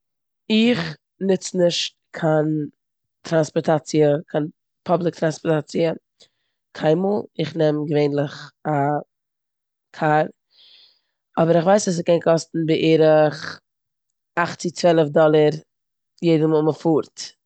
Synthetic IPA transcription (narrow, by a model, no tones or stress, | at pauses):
ɪχ | nɪt͡snɪʃt̚ | kʰan | tɾanspɔɾtat͡siəkʰan | pʰɔblˠɪk̚tɾanspɔɾtat͡siə | kʰaɪnmuːlˠɪχnɛmɡəveɪnlˠɪχa | kʰaːɾ | ɔbəɾɪχvaɪsɔs̬ɪkɛnkʰɔstn̩bɪʔeːɾɪχ | aχt͡sɪkt͡svɛlˠəfdɔlˠəɾ | jeɪdəmuːməfuːɾt